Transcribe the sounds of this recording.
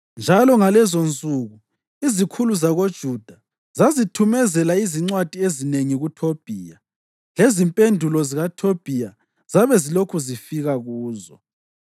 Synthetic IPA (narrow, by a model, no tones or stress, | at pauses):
nd͡ʒʱalɔŋalɛzont͡sʼuɣu | izikʰuluzaɣod̥ʒ̥ʱud̥ʱa | zazitʰumɛzɛlaiziŋ͡ǀwad̥ʱiezineŋiɣutʰob̥ʱiːja | lezimpʼendʱulɔziɣatʰob̥ʱija | z̥aβɛzilokʰuzifiɣaɣuːzɔ